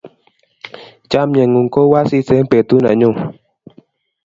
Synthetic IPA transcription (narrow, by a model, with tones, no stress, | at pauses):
t͡ʃa˦mɲɛ˨ŋu˨ŋko˦wa˦si˦sɛ˦mpe˨t̪u˦na˨ɲu˦˨